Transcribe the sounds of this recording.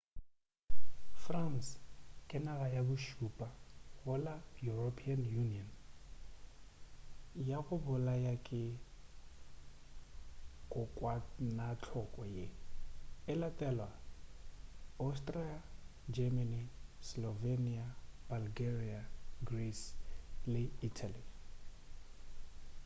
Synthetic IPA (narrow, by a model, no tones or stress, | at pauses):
franskʼɪnaɣajabʊʃupʼaɣʊlajuropʰianjuniɔn | jaɣʊbʊlajakʼɪ | kʼʊkʼwanat͡ɬʰɔkʼɔje | ɪlatʼɛlwa | astʼriad͡ʒɛmanislɔveniabalɡeriaɡrislɪitʰali